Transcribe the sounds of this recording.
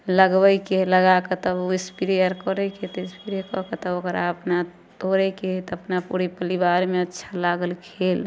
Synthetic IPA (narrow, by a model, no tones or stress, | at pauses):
ləɡbəjkeləɡaket̪ɔuispiɾijəɾkɔɾɛket̪ɔispiɾəɾkɔɦket̪ɔokəɾaəpna | t̪oɾɛket̪əpnapṵɾipəlibaɾmeətːʃʰalaɡəlkʰel